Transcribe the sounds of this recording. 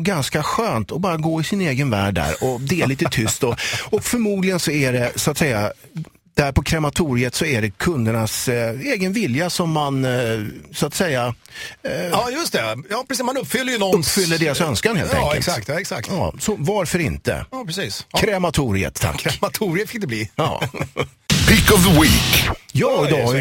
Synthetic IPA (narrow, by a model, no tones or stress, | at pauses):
ɡanskaɧøːnt̪ʰɔbɑːɾaɡoːɪsɪneːɡənvæ̰ːɖːæ̰ɾɔd̪ɛæɭiːt̪ət̪ʰʏst̪ɔɔkfœɾmuːd̪lɪɡənsɔæɖɛsʊat̪sɛjːa | d̪̥æɾpʰɔkʰɾɛmat̪ʰuːɾɪət̪sɔæɖɛkʰɵnd̪əɳaseːɡənvɪljasɔmːan | sʊat̪sɛjːa | ɑːjɵst̪ɛjɑːpɾɛsːsmanɵpːfʏlːəɾjənɔnɵpːfʏlːəɖeːɾasœnskanhḛːlɛ̰ŋkːəlsakt̪ːɛksa̰k̪̚tjɑ̰ːsɔvaɾfœɾɪ̰nt̪ə̰jɑːpɾɛsiːskʰɾɛmat̪ʰuːɾɪə̰t̪ʰːa̰kːmat̪ʰuɾɪt̪fɪ̥kɪbliːjɑ̰ː | pʰɪkɔvðəwiːkjɑːɪd̪ɑ